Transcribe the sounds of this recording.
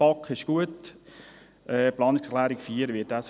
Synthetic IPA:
pɑkχɪʃɡ̥uət | ʔɛːplɑːnɪkslæːɾɪkfiːəɾʋɪtæs

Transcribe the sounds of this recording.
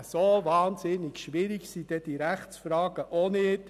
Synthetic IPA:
sovɑːnzɪnɪɡʃʋiɾiɡsid̥ɛd̥iɾæχt͡sfɾɑːɡ̥əʔonɪt

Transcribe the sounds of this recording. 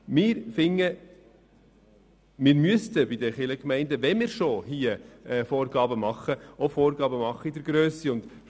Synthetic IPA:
mɪːɾfɪŋːə | mɪːɾmyəst̪əbɪdəχɪləkmɛɪndəʋɛnmɪːɾʃoɦiːəɛfɔːɾɡɑːbəmɑχːəofɔːɾɡɑːbəmɑχːəɪdəɾɡɾøːsiʊnd̥̪

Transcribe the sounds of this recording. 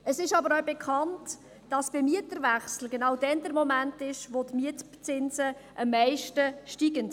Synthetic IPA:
əsɪʃɑbəɾɔbɛkʰɑnt | d̥ɑsb̥ɛmiətəɾvæχsl̩ɡenɑwdɛndəɾmɔmæntɪʃʋotmiət | t͡sɪnzəʔɑmːɛɪʃtəʃtiːɡənt

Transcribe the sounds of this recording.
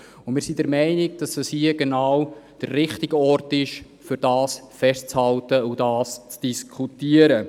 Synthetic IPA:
ʊmɪɾsidɛɾmɛɪnɪɡ̚d̥ɑsd̥ɑshiəɡenaːwd̥ərːɪχtɪɡɔrtɪʃ | fʏɾd̥ɑːsfɛst͡shɑltəʊdɑːst͡sd̥iskʰutiəɾə

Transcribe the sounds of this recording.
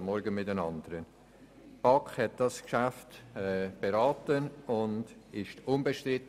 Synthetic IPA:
mːɔɾɡəmɪtənɑndəɾən | b̥ɑkhɛt̚d̥ɑskʃæftɛb̥eɾɑːtənʊndɪʃtʊnbəʃtrɪt

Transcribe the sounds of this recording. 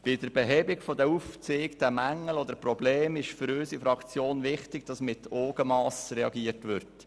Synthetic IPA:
b̥ɪd̥̪əɾb̥ɛɦɛbɪɡfod̪əuft͡seːkd̪æmæŋːəlɔd̪əɾprɔbleːmɪʃfʏɾøsifɾɑkt͡sjoːnʋɪχtɪɡ̚d̥ɑsmɪt̪ʰoːɡ̥əmɑːsɾɛɑ̰ɡiətʋʏɾt

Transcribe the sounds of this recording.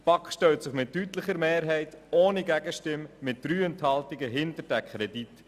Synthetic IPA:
pɑkχʃtœltsɪχmɪtːytləχəɾmeːɾɦɛɪtoːniɡæɡəʃtɪmːɪt̚d̥ɾyːənthɑltɪɡəɦɪntəɾdækʰχɾɛdit

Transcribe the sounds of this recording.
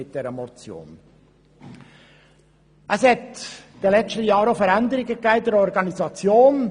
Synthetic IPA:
ɪt̚d̥eːɾəmot͡sjo̰ːn | ʔəshɛtd̥elɛt͡stəjɑːɾəfɛɾɛndəɾɪɡəkaɪdɛɾɔɾɡɑnizɑt͡sjoːn

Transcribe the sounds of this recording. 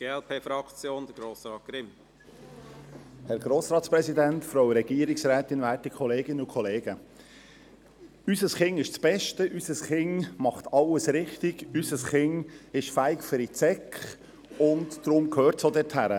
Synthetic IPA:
ɡ̥eːɛlpʰeːfɾɑkt͡sjoːnd̥əɡ̥ɾoːsɾɑːt̚ɡ̥ɾɪm | hɛɾɡ̥ɾoːsɾɑːt̪spɾɛsidæntfɾowɾɛɡ̥iəɾɪksɾæːt̪ɪnʋæːtikʰχɔleːɡɪnəʊkʰɔleːɡ̥ə | ysəsχɪŋɪʃt͡sb̥ɛʃtəʔysəsχɪŋmɑχt̪ʰɑlːəsɾɪχtɪɡ̥ysəsχɪŋɪʃfæɪkfʏɾit͡sɛkχ | ʊntd̥ɾʊmkʰøːɾtsoːdɛthæɾə

